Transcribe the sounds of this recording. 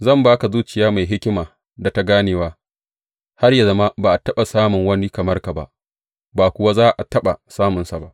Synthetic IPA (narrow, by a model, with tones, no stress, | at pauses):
zɐ˦˨mbaː˦ka˨zuː˦t͡ʃɪ˨jaː˦ma˨jɦɪ˦kʲɪ˦maː˨ | da˨ta˦ɡaː˦neː˨waː˦ | ha˦rja˨zɐ˦ma˦baː˨ʔa˨tɐ˦ɓa˨saː˦mʊ˨ŋwɐ˦ni˦kɐ˨mɐ˦rka˨ba̰˦ʔ | baː˨kʷʊ˨wa˦zaː˦ʔa˨tɐ˦ɓa˨saː˦mʊ˨nsa˨ba˦ʔ